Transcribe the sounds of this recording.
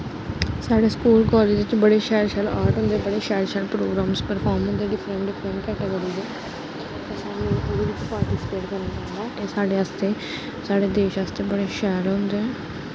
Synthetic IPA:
saːɽeːskuːlkɔːleːd͡ʒd̪ɪt͡ʃbəɽeːʃɛːɾʃəlaːɾʈɦʊ̃nd̪eːbəɽeːʃɛːɾʃəlpɾoːɡɾaːmspəɾpʰɔːɾmɦʊ̃nd̪eːɖɪpʰɾəɳʈɖɪfʰɾə̃ɳʈkɛːʈeɡəːɾiːzɛː | t̪eːsaːɽet̪ːɾiːʋɪt͡ʃpaːɾʈisɪ̥peːʈkəɾne | aːt̪eːsaːɖeːast̪eː | saːɽeːd̪eːʃaːst̪eːbəɽeːʃɛːɾɦʊ̃nd̪eːɛː

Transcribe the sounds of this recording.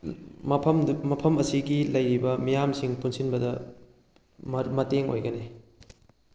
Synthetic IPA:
mɐpʰɐmmɐpʰɐmɐsiɡilɐjɾibɐmijamsiŋpunsinbɐdɐ | mɐmɐteŋo̰jɡɐne

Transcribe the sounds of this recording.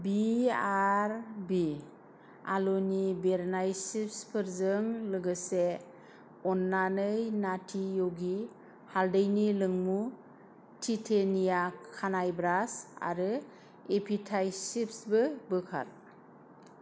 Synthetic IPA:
biaɾbi | a̰lunibeɾnajsip̚spʰɯɾzɯŋlɯɡɯse | ɔnːanɯjnatʰijoɡi | haldɯjnilɯŋmu | tʰitʰenijakʰanajbɾasa̰ɾɯ | epʰitʰajsip̚sbɯbɯkʰa̰t̚

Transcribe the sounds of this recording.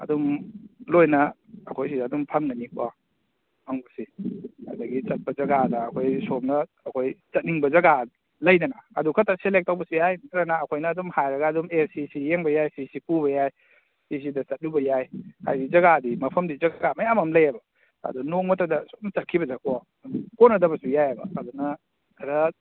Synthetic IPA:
ɐ̰dumlojnɐ | ɐkʰojs̬idadumpʰɐŋnanikʰwa | maŋbɐsia̰dɐɡit͡ʃɐt̚pɐzɐɡadɐːkʰojsomnɐː | kʰojt͡ʃɐt̚niŋbɐzɐɡa | lɐjdɐnɐɐ̰dukʰɐtaselek̚tːawbɐsihajnɐtɾanaːkʰojnɐːdumhajɾɐɡɐdumelsisijeŋbɐjajsisipubɐjaj | sis̬idɐt͡ʃɐt̚lubɐjajha̰jdizɐɡadimɐpʰɐmdid͡ʒɐɡɡamɐjamɐmlɐjɐbɐ | ɐ̰dunoŋmɐtɐdɐsu̥nt͡ʃɐt̚kʰibɐzakɔ | konɐdɐbɐsujajɐbɐ̰ːdunɐ | kʰɐɾɐ

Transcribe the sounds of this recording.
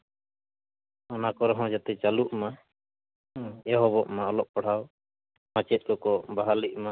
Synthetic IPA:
ɔnakɔɾɔɦɔ̃d͡ʒat̪ɛt͡ʃaluʔma | ɛɦɔbɔʔmaɔlɔʔ̚pɔɽ̤aw | mãt͡ʃɛt̪̚ˀkɔkɔbaɦaliʔ̚ma

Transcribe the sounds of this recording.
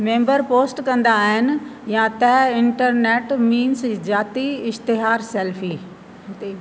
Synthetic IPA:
mẽːmbəɾpoːsʈkɐ̃nd̪aːɦɪnɪ̆jãt̪ɐɦɪ̃ɳʈəɾneːʈmiːnsd͡ʑaːt̪iɪʃt̪ɪɦaːɾseːlfi

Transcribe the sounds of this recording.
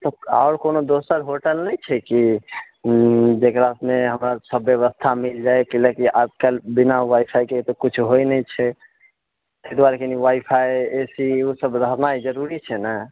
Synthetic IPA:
t̪ɔa̰ʊɾkonod̪osəɾɦoʈəlnɛjt͡ʃʰɛki | d͡ʒekɾasmeɦəmɾəɾsəbjeβəst̪ʰamild͡ʒajkilekiʔad͡ʒkalbinawajpʰajket̪ɔkut͡ʃʰɦojnɛjt͡ʃʰɛ | t̪ed̪waɾekeniwajpʰajesiusəbd̪ʱəɾnajd͡ʒəɾuɾit͡ʃʰɛnɛ

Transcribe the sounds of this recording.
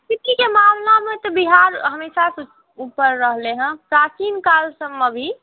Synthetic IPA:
t̪ɪʈ̪ikemaːmlamet̪ɔbiɦaɾɦəmeʃas | uːpəɾːəɦleɦə̃kaːkinkaːlsəmːebʱi

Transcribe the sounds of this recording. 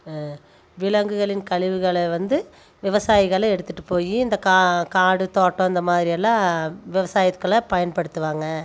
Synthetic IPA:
ʋɪlɐŋɡɯɣɐɭɪnkɐɭɪʋɯɣɐɭɐʋɐnd̪ɯ | ʋɪʋɐsaːjɪɣɐɭɐɛɽɯt̪ːɯʈːɯpːoːjiɪnd̪ɐkakaːɽɯt̪oːʈːõːɪnd̪ɐmaːðɪɾiɛlːãːʋɪʋɐsaːjɐt̪kːɐɭɐpɐjɐnpɐɽɯt̪ːɯʋaːŋɡɐ

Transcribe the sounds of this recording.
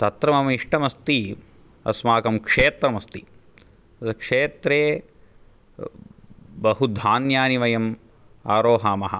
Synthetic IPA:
t̪ɐt̪ɾɐmɐmɐiʂʈɐmɐst̪i | ɐ̰smaːkɐmkʂeːt̪ɾɐmɐst̪i | kʂeːt̪ɾeː | bɐɦud̪ʱaːnjaːniʋɐjɐm | aːɾoːɦaːmɐɦɐ̰̆

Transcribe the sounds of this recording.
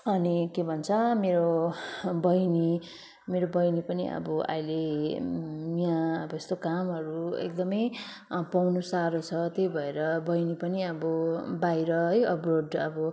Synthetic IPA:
ʌnikebʱʌnt͡sʰʌmeɾo | bʌjni | meɾobʌjnipʌnḭʌ̰bʌʔa̰jle | miãʌbʌest̪okamɦʌɾuḛk̚d̪ʌmʌj | pawnusaɾot͡sʰʌt̪ejbʱʌeɾʌbʌjnipʌniʌbʌbajɾʌɦʌjʌproɖʌbʌ

